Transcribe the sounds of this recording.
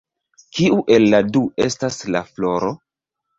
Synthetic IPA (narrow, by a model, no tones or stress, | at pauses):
kiuʔe̞lːadue̞staslaflo̞ɾo̞